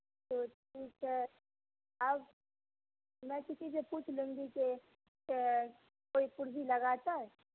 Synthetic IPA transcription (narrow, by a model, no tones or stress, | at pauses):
t̪oːpuːt͡ʃʰa | ɐb | mɛ̃kɪsis̬epuːt͡ʃʰlũːŋɡike | koːipʊɾzilɐɡaːt̪aɦɛ